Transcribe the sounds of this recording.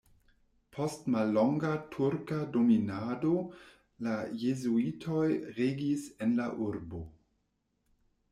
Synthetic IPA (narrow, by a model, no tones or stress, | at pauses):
pʰo̞stmalːo̞ŋɡatʰuɾkadominado̞ | lajezuitʰo̞jɾeɡisenlaʔuɾbo